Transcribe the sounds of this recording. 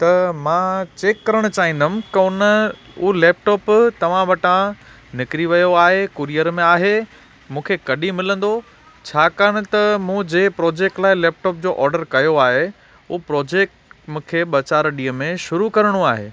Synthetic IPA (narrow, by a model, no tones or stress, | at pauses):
t̪ɐmãːt͡ɕeːkːɐɾəɽ̃ʊt͡ɕaːɦĩnd̪ʊmɪkɐʊnə | ʊɦleːp̚ʈɔːpt̪ɐʋ̤ãʋɐʈã | nɪkɾiʋɐjoaːɦekʊɾijəɾmẽaːɦe | mũːkʰekɐɗimɪlə̃nd̪o | t͡ɕʰaːkaːɽ̃ʊ̆t̪ɐmũːd͡ʑeːpɾɔːd͡ʑeːk̚ʈlaːɪleːp̚ʈɔːp̚d͡ʑoːʔɔːɾɖəɾkɐjoaːɦe | ʊɦpɾɔːd͡ʑeːk̚ʈmũːkʰeɓɐt͡ɕaːɾɗiːəmẽʃʊɾukɐɾəɽ̃uaːɦḛː